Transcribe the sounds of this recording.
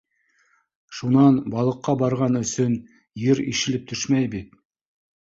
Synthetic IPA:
ʃunɑnbɑlˠɤ̆qːɑbɑɾʁɑnɵ̆sɵn | jɘɾḭʃɘ̆lɘp̚t̪ʰɵʃmæjbit̪

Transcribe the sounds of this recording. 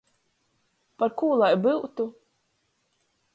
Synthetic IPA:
paɾkuːlˠajbɨwt̪u

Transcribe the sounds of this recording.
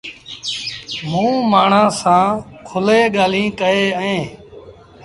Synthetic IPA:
mũːmaːɳ̤ãːsãːkʰʊleːɠaːl̤ĩːkəeːəẽː

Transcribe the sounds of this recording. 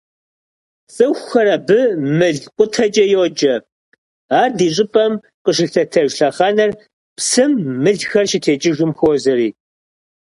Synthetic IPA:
sʼɨxʷxɐɾɐbɨmɨɮqʷʼʊtʰɐt͡ʃʼɐjd͡ʒɐ | aːrdiːɕ̬ʼɪpʼɐm | qəʃ̬ɪxɬʰɐtʰɐʒɬɐχɑnɐr | psɨmːɨɮxɐrʃɪtʰeːt͡ʃʼɪʒʷʊmxoːzɐɾiː

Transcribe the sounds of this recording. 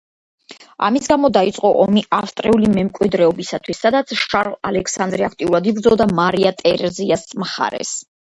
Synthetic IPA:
a̰misɡamɔd̪ait̪sʼqʼɔʔɔmiʔafst̪ʼɾɛulimɛmkʼwid̪ɾɛɔbisat̪ʰwisːad̪at̪sʰʃaɾlˠa̰lɛkʰsand̪ɾiakʰt̪ʼiuɾad̪ibɾd̪zɔlˠd̪amaɾiat̪ʼɛɾɛziasmχa̰ɾɛ̰s

